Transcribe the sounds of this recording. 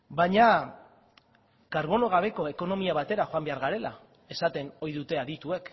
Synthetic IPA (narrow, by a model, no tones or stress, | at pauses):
baɲa | kaɾβo̞no̞ɣ̞aβ̞e̞ko̞e̞ko̞no̞miaβ̞at̪e̞ɾaxoambe̞aɾɣaɾe̞la̰ | e̞sat̪e̞no̞jðut̪e̞aðit̪ue̞k